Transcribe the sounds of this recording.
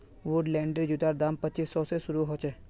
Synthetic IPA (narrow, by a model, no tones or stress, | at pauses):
ʋʊɖlɛ̃ːɳɖəɾd͡ʒʊd̪aːɾd̪aːmpətːt͡ʃisːɔːsesʊɾuɦoːt͡ʃe